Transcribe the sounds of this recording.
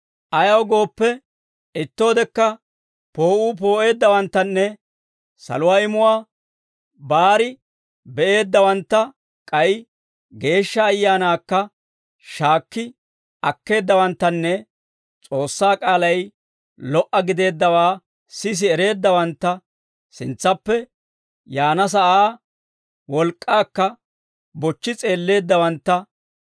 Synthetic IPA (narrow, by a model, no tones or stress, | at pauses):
ʔɐjɐwɡo̞ːpːɛ | ɪt̪ːo̞ːd̪ɛkːɐ | po̞ːʔuːp̬o̞ːʔe̞ːd̪ːɐwɐnt̪ːɐnːɛ | sɐ̰lʊwaːɪmʊwaː | baːɾɪ | bɛʔe̞ːd̪ːɐwɐnt̪ːɐ | kʼɐj | ɡe̞ːʃːɐːjːaːnaːkːɐ | ʃaːkːɪ | ɐkːe̞ːd̪ːɐwɐnt̪ːɐnːɛ | t͡sʼo̞ːsːaːkʼaːlɐj | lɔʔɐɡɪd̪e̞ːd̪ːɐwaː | sɪs̬ɪɛɾe̞ːd̪ːɐwɐnt̪ːɐ | sɪnt͡sːɐpːɛ | jaːnɐs̬ɐʔaː | wɔlkʼːaːkːɐ | bɔt͡ʃːɪt͡sʼe̞ːlːe̞ːd̪ːɐwɐnt̪ːɐ